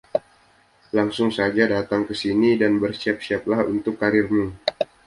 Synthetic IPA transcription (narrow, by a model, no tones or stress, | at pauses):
laŋsʊŋsad͡ʒadat̪aŋkəsinidanbərsiap̚siaplahṵnt̪ʊkːaɾɪrmu